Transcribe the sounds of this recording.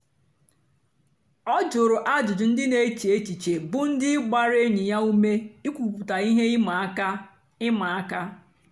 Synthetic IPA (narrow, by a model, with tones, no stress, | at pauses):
ɔ˦d͡ʒʊ˨ɾʊ˨ʔa˦d͡ʒʊ˨d͡ʒʊ˨n̩˦dɪ˦ne˨˦t͡ʃi˨e˦t͡ʃi˨t͡ʃe˨bʊ˨n̩˦dɪ˦ɡ͡ba˦ɾe˦ɲi˨ja˦u˦me˦i˦kʷu˨pu˨ta˨i˦ɦe˦ma˨˦ka˦ | ɪ˦ma˨a˦ka˦